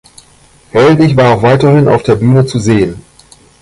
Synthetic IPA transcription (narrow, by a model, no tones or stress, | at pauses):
hɛldɪçv̥aːɐaʊxv̥aɪtɐhɪnʔa̰ʊfd̥eːɐbyːnət͡suzeːən